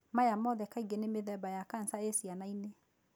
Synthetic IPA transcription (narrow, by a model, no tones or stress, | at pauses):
majamɔðɛkaiɡenemeðɛbajakan̩saesianaine